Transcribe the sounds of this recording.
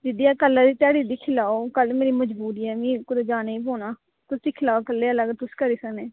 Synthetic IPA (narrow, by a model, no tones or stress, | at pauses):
d͡ʒɪd̪iːɛːkəlːãːd̪iːt̪ɪaːɽiːd̪iːkʰɪlaːoːkəlmeːɾiːməd͡ʒbuːɾiːɛːmĩːkʊd̪ed͡ʒaːneːiːpoːnaː | t̪ʊsd̪iːkʰɪlaːokəlːeːələɡt̪ʊskəɾiːsəkneː